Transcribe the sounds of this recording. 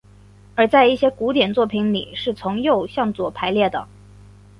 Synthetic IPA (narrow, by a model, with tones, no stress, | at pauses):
ə˞˧˥t͡sa˥˧ɪi˥˩ɕjɛ˥ku˧˥t̪jɛ˨˩nt͡swɔ˥˩pʰi˧˥nlḭ˨˩ʂɻ̩˥˩t͡sʰʊ˧˥ŋjo˥˧ʊɕjɑ˥˩ŋt͡swɔ˨˩pʰa˧˥ɪljɛ˥˩d̪ə̰˩